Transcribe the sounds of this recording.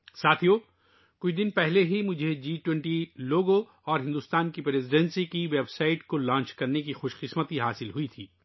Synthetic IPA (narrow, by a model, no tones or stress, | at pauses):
saːt̪ʰijoː | kʊt͡ʃʰd̪ɪnpɛɦleɦimʊd͡ʒʱed͡ʒiːʈwɛ̃ɳʈiloːɡo | ɔːɾɦɪ̃nd̪uːst̪aːnkipɾeːzɪɖɛ̃nsikiʋebsaːɪʈkolãːɲt͡ʃkɐɾnekixoːʃqɪsmət̪iɦaːsɪlɦuit̪ʰiː